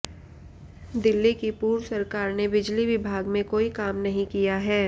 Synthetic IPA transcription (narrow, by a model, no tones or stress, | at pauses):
d̪ɪlːikipuːɾsɐɾkaːɾnebɪd͡ʒliʋɪbʱaːɡmẽkoːikaːmnɐɦĩkijaɦɛː